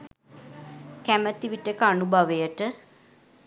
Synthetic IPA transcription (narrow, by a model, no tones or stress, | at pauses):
kæmət̪iʋiʈəkanubʱaʋəjəʈə